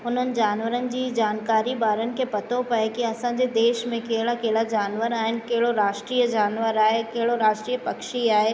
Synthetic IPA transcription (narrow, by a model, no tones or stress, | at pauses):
ʊn̤ənɪ̆d͡ʑaːnʋəɾənɪ̆d͡ʑiːd͡ʑaːnkaːɾibaːɾənɪ̆kʰepɐt̪ʰopɐekiɐsãɲd͡ʑed̪eːʃmẽkeɦɪɽakeɦɪɭad͡ʑaːnʋəɾaːɦɪnɪ̆kɐɦɪɽoɾaːʃʈɾiːjəd͡ʑaːnʋəɾaːɦekɐɦɪɽoɾaːʃʈɾiːəpɐkʃiaːɦe